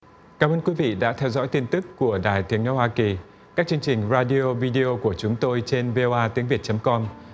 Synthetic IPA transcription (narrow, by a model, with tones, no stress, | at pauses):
kaː˧˩mʔəː˧nkwi˨˦vḭ˧˨ɗa̰ː˧˥t̪ʰɛ˧wzɔ̰˧˥jt̪i˧nt̪ɨ˦˥kːu˧˩əɗaː˨˩jt̪ʰi˨˦əŋnə̰˧˨˦whwaː˧ki˨˩ | kaː˦˥k̚t͡ɕɨ˧əŋt͡ɕï˨˩ŋ̟zaː˧ɗi˧o˧vi˧ɗi˧ʔo˧ku˧˩ət͡ɕʊ˨˦ŋ͡mt̪o˧jt͡ɕe˧nve˧ʔo˧ʔaː˧t̪i˨˦əŋvi˨˩ət̚t͡ɕə˨˦mkɔ˧m